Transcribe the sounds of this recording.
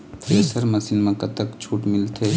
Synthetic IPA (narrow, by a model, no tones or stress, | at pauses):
eːsəɾmɐsɪnmɐ̃kɐt̪ɐkt͡ʃʰuːʈmɪlt̪ʰe